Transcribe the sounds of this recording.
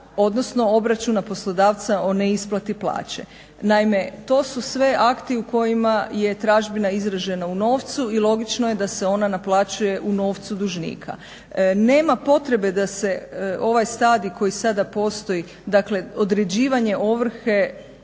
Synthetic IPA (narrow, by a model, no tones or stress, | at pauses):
o̞d̪no̞sno̞o̞bɾat͡ʃunapo̞slˠod̪aːʋt̪sao̞neisplˠat̪iplˠa̰ːt͡ɕḛ | naime̞t̪o̞ːsusʋe̞ʔakt̪iuko̞jimaje̞t̪ɾaːʒbinaizɾaʒe̞nauno̞ːʋt̪suilˠo̞ɡit͡ʃnoje̞d̪aseo̞nanaplˠaːt͡ɕuje̞ʔuno̞ːʋt̪sud̪uʒnḭːkʰa̰ | ne̞ːmapo̞t̪ɾe̞be̞d̪ase̞o̞ʋajst̪aːd̪ikʰo̞jisad̪apo̞ːst̪o̞ji | d̪akle̞o̞d̪ɾe̞d͡ʑiːʋaɲe̞ʔoʋr̩xe̞